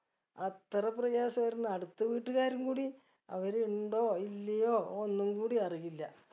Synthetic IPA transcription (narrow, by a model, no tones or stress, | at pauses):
ɐt̪ːrɐp̬rɐjaːɕɐmɐjɾunːɨɐɽut̪ːɨʋiːʈːɨɣaːɾumkuːɽi | ɐ̰ʋɐɾeuɳɖo̞ːilːɐjo̞ːonːumkuːɽiɐriɣilːɐ